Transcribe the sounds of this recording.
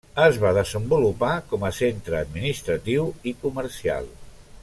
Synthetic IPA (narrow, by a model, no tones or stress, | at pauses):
əzβaðəzəmbulupakɔməsent̪ɾəːd̪minist̪ɾət̪iwikuməɾsia̰lˠ